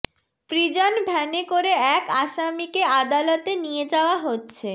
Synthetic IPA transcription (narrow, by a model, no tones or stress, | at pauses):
pɾid͡ʑonbʱɛnekoɾeɛkaʃamikead̪alot̪enijed͡ʑaoaɦotːɕʰe